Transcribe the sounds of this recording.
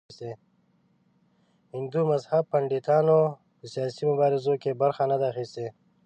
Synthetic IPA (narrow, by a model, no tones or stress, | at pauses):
st̪e | hɪnd̪umɐzhɐb̚pɐɳɖit̪aːno | əsijaːsimʊbaːɾɪzokebɐɾxanɐd̪axist̪e